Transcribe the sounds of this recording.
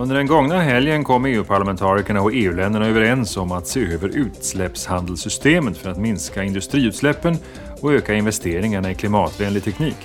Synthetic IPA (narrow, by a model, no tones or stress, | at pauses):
ɵnd̪əɖɛnɡɔŋnaɦɛljənkʰɔmːeːʉ̟ːpʰaɭamɛnt̪ʰɑːɾɪkəɳaɔeːʉ̟lɛnd̪əɳaøːvəɾɛnsɔmat̪seːøːvəɾʉ̟ːt̪slɛpshand̪əlsʏst̪eːmət̪fœɾat̪mɪnskaɪnd̪ɵst̪ɾiːʉt̪slɛpːən | ɔøːkaɪnvɛst̪eːɾɪŋaɳaɪkʰlɪmɑːt̪vɛːnlɪɡt̪ʰɛkʰniːk